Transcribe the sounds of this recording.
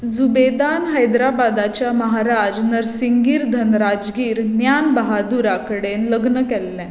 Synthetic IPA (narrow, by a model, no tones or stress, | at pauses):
d͡zubed̪anɦəjd̪ɾabad̪at͡ɕjaməɦaɾad͡znəɾsiŋɡiːɾd̪ʱənɾad͡zɡiːɾnjanbəɦad̪uɾakəɽenləɡnəkɛlːɛ̃